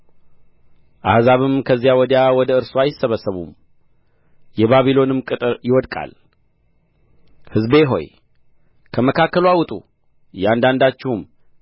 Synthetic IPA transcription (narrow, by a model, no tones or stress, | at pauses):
ʔa̰hzaβɨmkʰəzːijawɔd̪jawɔd̪əɨɾsuajɪsəβəsəβṵm | jɛβaβilo̞nɨmkʼɨt̪ʼɨɾjɪwɔd̪kʼa̰l | hɨzbe̞ɦo̞̰j | kʰəməkʰakːəlwawʊt̪ʼṵ | jɛand̪and̪at͡ʃːɪhum